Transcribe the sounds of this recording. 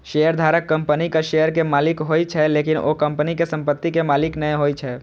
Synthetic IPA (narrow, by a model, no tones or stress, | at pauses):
ʃejəɾd̪ʱaːɾəkːə̃mpənikaʃejəɾkemaːlɪkɦoːit͡ʃʰɛleːkɪno̰kə̃mpənikesə̃mpət̪ːikemaːlɪknəẽɦoit͡ʃʰɛː